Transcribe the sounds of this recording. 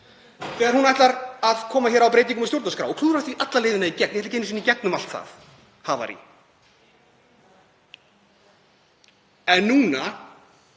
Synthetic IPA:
θɛɣaɾhunajht̪laɾaðkʰɔːmaçɛːɾawpɾeːjt̪̬iŋkʏmast̪jowɾt̪askɾa̰wɔkʰluːɾat̪iʔat̪laleːjðɪnaicɛk̚njhɛt̪acɛːnɪs̬inicɛk̚nʏmal̥t̪θa̰θ | hava̰ɾḭ | ɛnːuːna

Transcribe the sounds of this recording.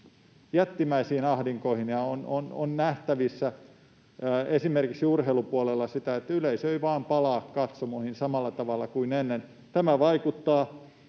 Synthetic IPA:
jæt̪ːimæisiːnɑhdiŋkoihinjɑonono̰nnæht̪æʋisːæ | esimerkiksiurheilupuolelːɑsit̪æet̪ːyleisøiʋɑːmpɑlɑːkkɑt̪somohinsɑmɑlːɑt̪ɑʋɑlːˑɑkuinenːen | t̪æmæʋɑikut̪ːɑː

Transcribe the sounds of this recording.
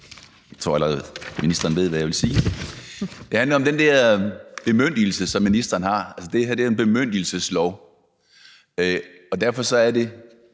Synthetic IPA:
jḁt͡sʰʁo̝̰ælɐʁɛðˠminisd̥ɐːnʋe̝ð̞̰ˠʋæjaʋe̝lsiː | d̥e̝hændlɐɒ̽md̥end̥ɛɐ̰b̥e̝møn̰d̥il̩səsɒ̽mːinisd̥ɐːnhɑ̈ælsəd̥e̝hæɐd̥e̝ɐenb̥e̝møn̰d̥il̩səslɒʊ̰ | ø | ɒ̽d̥æɐ̰fɒ̽sɒ̽æɐde̝

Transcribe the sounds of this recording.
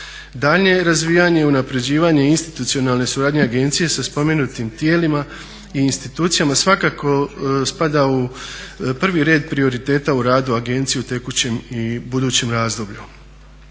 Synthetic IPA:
d̪aʎɲe̞ɾazʋiːjaɲeunapɾe̞d͡ʑiːʋaɲe̞inst̪i̥t̪ut̪sio̞nalˠne̞suɾaːd̪ɲe̞aɡe̞nt̪sije̞saspo̞me̞nut̪imt̪je̞ːlima | iːnst̪it̪uːt̪sijamasʋakako̞spad̪au | pr̩ʋiɾe̞ːd̪̚pɾio̞ɾit̪e̞ːt̪auɾaːd̪uaɡe̞nt̪sijeut̪e̞kut͡ɕe̞mibud̪uːt͡ɕe̞mɾaːzd̪o̞bʎu

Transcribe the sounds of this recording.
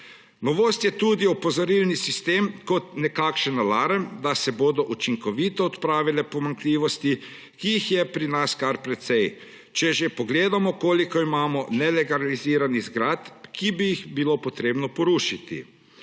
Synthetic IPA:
nɔʋoːst̪jɛt̪ud̪iɔpɔzɔɾilnisist̪eːmkɔt̪nɛkaːkʃənːalaːɾənd̪asɛboːd̪ɔʔut͡ʃiŋkɔʋit̪ɔːt̪pɾaːʋilɛpɔmaŋkliːʋɔst̪i | kiixjɛpɾinaskaɾpɾɛt̪sɛj | t͡ʃɛʒepɔɡleːd̪amɔkoːlikɔimaːmɔnɛlɛɡaliziːɾanizɡɾat̪kibijixbilopɔt̪ɾeːbnɔpɔɾuːʃit̪ḭ

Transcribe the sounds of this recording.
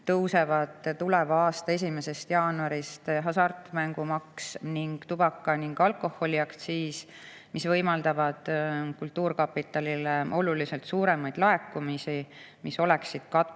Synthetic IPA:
t̪ɤwsevɑd̪t̪ulevɑɑːst̪ɑe̞s̬ʲime̞se̞st̪jɑːnuɑɾist̪ɦɑsɑrt̪ˑmæŋɡ̥umɑksniŋɡ̥t̪ub̥ɑkːˑɑniŋɡ̥ɑlko̞hːo̞liɑkt̪siːs | misvɤjmɑld̪ɑvɑd̪̥kult̪ːuːɾkɑpːit̪ːˑɑlileʔo̞lulise̞lt̪suːɾe̞mɑjd̪̥lɑe̞kːumisi | miso̞le̞ksid̪̥kɑt̪ː

